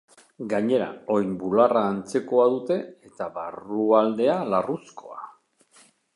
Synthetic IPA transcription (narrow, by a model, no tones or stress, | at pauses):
ɡaɲe̞ɾa̰o̞jmbularaːnt͡se̞ko̞að̞ut̪e̞et̪aβaruald̪e̞alarusko̞a